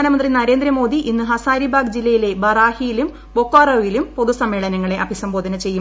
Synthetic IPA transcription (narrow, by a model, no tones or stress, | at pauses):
aːnɐmɐnd̪rinɐɾeːnd̪ɾɐmo̞ːd̪iʔinːɨɦɐsaːɾibʱaːɡd͡ʑilːɐjile̞bɐraːhijilum | bokːaːrɐʋilumpoðusɐmːeːɭɐnɐŋːɐɭe̞ʔɐbʱisɐmbo̞ːd̪ɐnɐt͡ɕe̞jːu